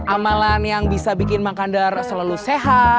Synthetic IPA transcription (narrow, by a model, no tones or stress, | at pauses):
ʔamalanjaŋbisabikɪnmakandarsəlaluseɦa